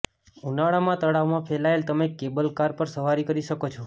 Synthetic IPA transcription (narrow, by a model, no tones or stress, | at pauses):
unaɭamãt̪əɽaʋmãpʰɛlaelt̪əmekːebəlkaɾpəɾsəʋaɾikəɾiʃəkot͡ʃʰo